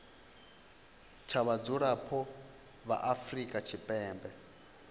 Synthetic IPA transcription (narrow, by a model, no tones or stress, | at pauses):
t͡ʃʰaβad͡zuɾapʰɔ | βa̰ʔafrikʼat͡ʃʰipʼɛːmbɛ